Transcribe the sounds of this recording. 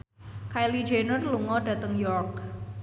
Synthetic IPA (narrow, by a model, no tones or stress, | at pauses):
kajlid͡ʒenʊrluŋɔɖä̤t̪əŋjɔrk